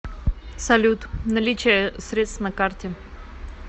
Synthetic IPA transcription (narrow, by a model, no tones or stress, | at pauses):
sɐlʲut̪nɐlʲit͡ɕɪjəsɾʲe̞t̪st̪vnɐkartʲɪ